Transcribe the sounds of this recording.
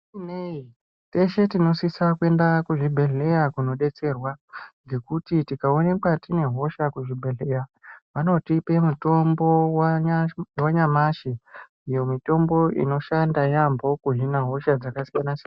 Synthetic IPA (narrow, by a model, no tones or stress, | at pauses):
nei | te̞ʃe̞tino̞sisakue̞ndakuʐibʱe̞ɮe̞jakuno̞ɗe̞t͡se̞rwaŋɡe̞kutitikao̞ne̞kwatine̞ɦo̞ʃakuʐibʱeɮejaʋano̞tipe̞muto̞mbo̞w | waɲamaʃi | ijo̞mito̞mbo̞ḭno̞ʃandajambʱo̞kuʐinaɦo̞ʃad͡zakasijanas